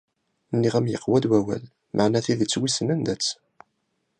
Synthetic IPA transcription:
nːiʁæmjəqːwæd̪wæwæ̰l | mʔaʕnæθiðət͡sːwisənənd̪æt͡sː

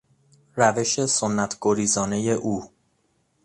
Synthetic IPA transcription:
ɾæve̞ʃe̞sonːæt̪ʰɡ̥oɾiːzɒːne̞je̞ʔuː

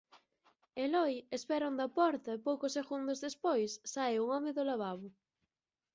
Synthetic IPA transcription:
elɔjespɛɾond̪ɐpɔɾt̪ɐepowkʊseɣund̪ʊzðespojsːaeuŋɔmeðolaβaβʊ

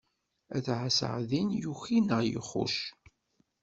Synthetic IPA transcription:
æθʕasʕðinjuçinəʁjə̰χːʊ̰ʃ

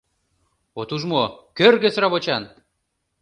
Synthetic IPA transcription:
ot̪uʒmokørɣesɾɑβot͡ɕɑn

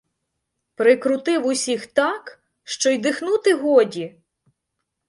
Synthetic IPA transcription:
pɾɪkɾʊt̪ɪwʊsʲixt̪ɑk | ʃt͡ʃɔjd̪ɪxnut̪ɪɦɔdʲi

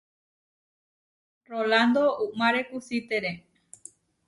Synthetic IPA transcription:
roland̪oumaɾekusit̪eɾe

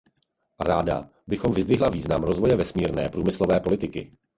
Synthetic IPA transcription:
ɾaːda̰ | bɪxo̞mvɪzd̪vɪɦlaviːznamɾo̞zvo̞jɛvɛsmiːɾnɛ̰ːpɾuːmɪslo̞vɛːpo̞lɪt̪ɪkɪ̰

